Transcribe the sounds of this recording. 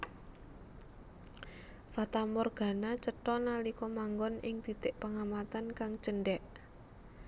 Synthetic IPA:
fat̪amɔrɡ̥a̤nat͡ʃəʈɔnalikɔmaŋɡɔnɪŋd̪̥i̤t̪ɪʔpaŋamat̪ankaŋt͡ʃəɳɖɛʔ

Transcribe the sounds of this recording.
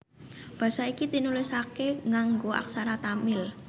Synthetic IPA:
b̥ä̤saikit̪inulisakeŋaŋɡoʔa̰ksaɾat̪amɪl

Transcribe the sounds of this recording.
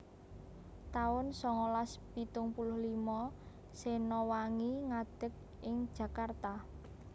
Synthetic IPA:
t̪aʊnsɔŋolaspit̪ʊŋpulʊhlimɔ | senɔwaŋiŋad̪̥ə̤k̚ | ɪŋd̥ʒ̥ä̤kart̪a

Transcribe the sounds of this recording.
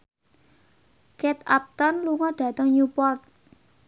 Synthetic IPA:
kɛt̪ap̚t̪ɔnluŋɔɖ̥ä̤t̪əŋɲupɔrt̪̚

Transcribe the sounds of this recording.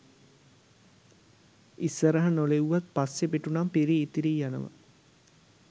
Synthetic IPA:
isːəɾəɦɐnoleuʋat̪̚pasːepeʈunampiɾiːt̪iɾiːjanə̰ʋə̰

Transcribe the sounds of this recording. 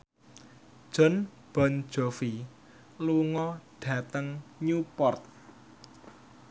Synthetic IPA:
ʒ̥ɔ̤n | b̥ɔ̤n̥d͡ʒ̥ɔ̤fi | luŋɔɖ̥ä̤t̪əŋɲupɔrt̪̚

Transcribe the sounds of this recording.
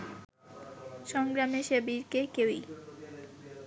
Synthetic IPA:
ʃɔŋɡɾameʃebiɾkekewi

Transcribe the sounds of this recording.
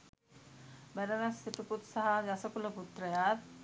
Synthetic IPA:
bæɾənasːiʈuput̪saɦad͡ʒasəkuləput̪ɾəjaːt̪̚

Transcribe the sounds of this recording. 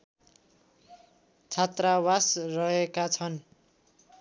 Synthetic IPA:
t͡sʰat̪rawasrʌekat͡sʰʌn

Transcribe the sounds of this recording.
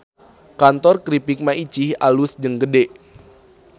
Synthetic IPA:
kant̪ɔrkɾipik̚mait͡ʃihalusd͡ʒəŋɡədeʔ

